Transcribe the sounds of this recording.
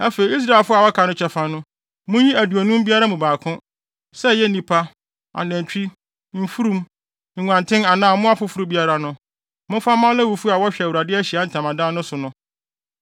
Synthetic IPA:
æ˦fe˨i˨i˦s̬ɾa˦˨e˨lfʊ˦a˨wɔ˦kʰa˨nʊ̃˦t͡ɕʰᶣɛ˨fã˨nʊ̃˦ | mʊ̃˦jĩ˦æ˨du˨o˨nũ˦m˦bi˦a˦ɾa˦mũ˨baː˨kʰʊ̃˦ | sɛ˦jɛ˦nĩ˨pʰa˦ | a̰˨nɛ̃˨ɲ˨t͡ɕᶣi˦ | m̩˦fu˦ɾũ˦m | ŋ̩˨ŋã˨ntʰɪ̃˦na˨nãː˦˨mʊ̃˦a˦fʊ˦fʊ˦ɾu˦bi˦a˦ɾa˨nʊ̃˦ | mʊ̃˦fa˦mã˦lɛ˦wu˨fu˦a˨wɔ˦ɕᶣɛ˨wu˨ɾa˨dɪ˦æ˦ɕi˨a˦n̩˨tʰã˨mã˨dãː˦nʊ̃˦sʊ˨nʊ̃˦

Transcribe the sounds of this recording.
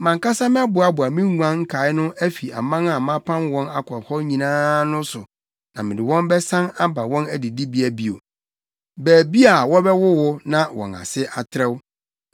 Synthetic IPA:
mã˨ŋka˦sa˦mɪ̃˦a˦bʊ˨a˦bʊ˨a˨mɪ̃˦ŋũ˨˦ã˦ŋ̩˦kʰa˨˦ɪ˦nʊ̃˦ʔæ˦fi˨a̰˨mã˦na˨mã˦pʰã˦nwɔ̃˦na˦kʰɔ˨hɔ˦ɲĩ˨nãː˦nʊ̃˦sʊ˨ | nã˨mɪ̃˨dɪ˨wɔ̃˦mbɛ˦sã˦na˦ba˨wɔ̃˦næ˦di˨di˦bi˦æ˨bi˦o̰˨ | bæː˨bi˦a˨wɔ˦bɛ˦wʊ˦wʊ˦nã˦wɔ̰̃˨na̰˨sɪ˦ʔa˨tʰɾɛ˦w

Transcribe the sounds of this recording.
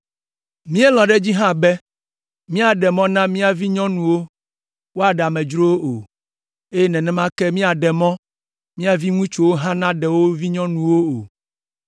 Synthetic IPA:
mĩ˦e˦lɔ̃˨ɖɛ˦d͡ʑi˦ɦã˦bɛ˦ | mĩ˦a˨ɖɛ˨mɔ̃˦nã˦mĩ˦a˨vi˦ɲɔ̃˦nũ˨wo˦ | wo˦a˨ɖa˨mɛ̃˨d͡ʒɾo˦wo˦o˨ | e˦ɛ˦nɛ̃˨nɛ̃˦mã˦kɛ˦mĩ˦a˨ɖɛ˨mɔ̃˦ | mĩ˦a˨vi˦ŋũ˦t͡ʃo˨wo˦ɦã˦nã˦ɖɛ˨wo˦vi˦ɲɔ̃˦nũ˨wo˦o˨

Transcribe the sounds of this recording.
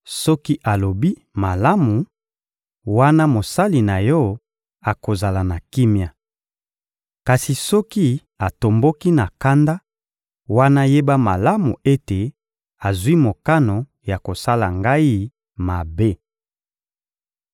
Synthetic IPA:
sɔ˦ki˦ʔa˨lo˨bi˦ | ma˨la˦mu˨ | wa˦na˦mo˨sa˦li˨na˨jɔ˦ | a˨ko˨za˨la˨na˨ki˦mja˨ | ka˨si˨sɔ˦ki˦ | a˨to˨mbo˦ki˦na˨ka˦nda˦ | wa˦na˦je˦ba˦ma˨la˦mu˨e˦te˨ | a˨zwi˦mo˨ka˦no˨ | ja˨ko˨sa˦la̰˨ŋɡa˦i˦ | ma˨be˦

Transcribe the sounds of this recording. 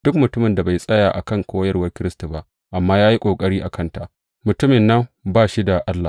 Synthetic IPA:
d̥ʊ˦k̚mʊ˨tʊ˦mɪ˨nda˨ba˨jsʼɐ˦jaː˨ʔa̰˨kɐ˦ŋkʷoː˦jɐ˦rwɐ˦rkʲɪ˦ɾɪ˦sta˨ba˦ʔ | ʔa˨mːaː˦jaː˦ji˦kʷʼoː˨kʼɐ˦ɽiː˦ʔa˨kʰɐ˦nta˨ʔ | mʊ˨tʊ˦mɪ˨nːɐ˦mbaː˦˨ʃi˦da˨ʔa˦lːa˨

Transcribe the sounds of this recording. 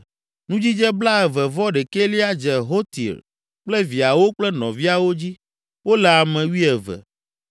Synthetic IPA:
nũ˦d͡ʑi˦d͡ʒɛ˦bla˦ɛ˨vɛ˨vɔ˦ɖe˨ke˦li˦a˦d͡ʒɛ˨ɦo˦t̪ḭ˨ɾ | k͡plɛ˦vi˨a˨wo˦k͡plɛ˦nɔ̰̃˨vi˦a˨wo˦d͡ʑi˦ | wo˦lɛ˨a˨mɛ̃˨wi˦ɛ˨vɛ̰˨

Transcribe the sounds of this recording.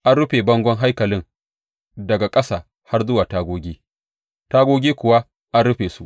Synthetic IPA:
ʔa˦nɾʊ˦ɸeː˨bɐ˦ŋɡʷɔ˦ŋɦa˦jkɐ˨lɪ˦ŋ | dɐ˨ɡa˨kʼɐ˦saː˨ | ha˦rzʊ˦waː˨taː˦ɡʷoː˦ɡʲiː˦ | taː˦ɡʷoː˦ɡʲiː˦kʷʊ˨wa˦ | ʔa˦nɽʊ˦ɸeː˨su˦ʔ

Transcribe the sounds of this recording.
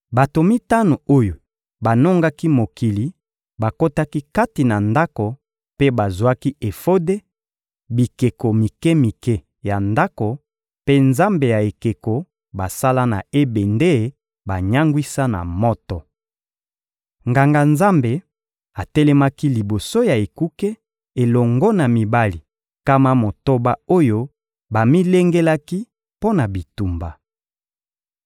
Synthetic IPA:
ba˨to˨mi˦ta˦no˨o˦jo˨ | ba˨no˦ŋɡa˦ki˦mo˨ki˨li˨ | ba˨ko˦ta˦ki˦ka˦ti˨na˨nda˦ko˨ | pe˦ba˨zu˨a˦ki˦e˨fo˦de˦ | bi˨ke˨ko˨mi˨kɛ˦mi˨kɛ˦ | ja˨nda˦ko˨ | pe˦nza˦mbe˨ja˨e˨ke˨ko˨ | ba˨sa˦la˦na̰˨e˦be˨nde˦˨ | ba˨ɲa˦ŋɡwi˦sa˦na̰˨mɔ˦tɔ˨ | ŋɡa˨ŋɡa˨nza˦mbe˨ | a˨tɛ˦lɛ˦ma˦ki˦li˨bo˨so˦ja˨e˨ku˦ke˦ | e˨lɔ˨ŋɡɔ˦na˨mi˨ba˦li˨ | ka˦ma˦mo˨to˦ba˦o˦jo˦ | ba˨mi˦le˦ŋɡe˦la˦ki˦ | po˦na˨bi˨tu˨mba˨

